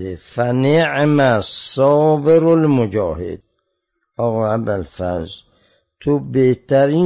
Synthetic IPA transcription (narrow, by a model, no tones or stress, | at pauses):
efæneʕmæsɒːbeɾolmod͡ʒɒːhḛd̪̥̚ | ɒːɣɔːabælfæ̰ɾz | t̪ʰobeht̪ʰæɾiː